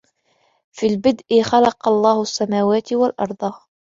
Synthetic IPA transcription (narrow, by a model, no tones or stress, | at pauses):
fiːlbɪd̪ʔɪxɑlɑqɑlˤːɑːhʊasːamaːwaːt̪ɪwalʔɑ̰ɾˤd̪ˤɑ